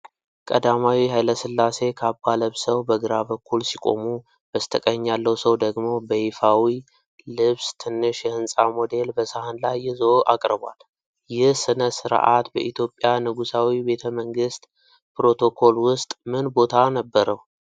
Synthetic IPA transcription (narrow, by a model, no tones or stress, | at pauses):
kʼə̰d̪amawiɦajləsɨlːase̞kʰabːaləβsəwbəɡɨɾaβəkʰːulsikʼo̞̰mu | bəst̪ʰəkʼəɲːalːəwsəwd̪əɡmo̞bəhifawi | lɨβst̪ʰɨnːɨʃjɛhɨnsʼamod̪e̞lbəsəhanlajːɪzoʔakʼɾɨbwa̰l | jɪhsɨnəsɨɾ̰ʔa̰t̪bə̰ʔit̪ʰjo̞pʼːjanɨɡusawibe̞t̪ʰəməŋɡɨst̪ʼ | pɾo̞t̪ʰo̞kʰo̞lwʊst̪ʼmɨnbo̞t̪ʰanəbːəɾəw